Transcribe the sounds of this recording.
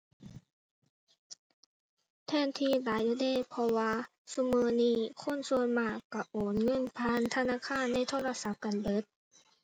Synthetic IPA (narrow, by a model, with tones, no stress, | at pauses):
t̪ʰɛː˧˥˨nt̪ʰiː˧˨laː˨˦jʔuː˧˩deː˧˥˨jpʰɔ˧waː˧ | su˧˥mɤː˨˧niː˧˥˩kʰo˧˥˨nsu˧ənmaː˧˩kːa˧˩ʔoː˨˩nŋɤ˧˥˨npʰaː˧˥˨nt̪ʰa˧naː˧˥˨kʰaː˧˥˨nːa˧˥˨jt̪ʰoː˧˨la˧sa˨˦p̚ka˨nbɤ˨˦˥t̪̚